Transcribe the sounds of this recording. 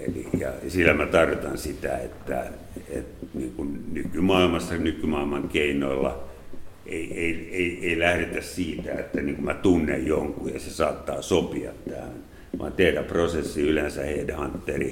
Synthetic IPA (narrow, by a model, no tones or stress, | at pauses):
ḛlḭjɑ̰silːæmæt̪ɑrʋit̪ɑnsit̪æ̰ḛt̪ːæ̰ | ḛt̪niːŋkunnykymɑilmɑsːɑnykymɑilmɑŋkeinoilːɑ̰ | ʔeieieieilæhɾet̪æssiːt̪æet̪ːæniːŋkumæt̪unːejjoŋkuːjɑsesɑːt̪ːɑːsopiɑ̰t̪tæhæn | ʋɑ̰ːnt̪eiræprosesːiylensæheidehɑnt̪ːeri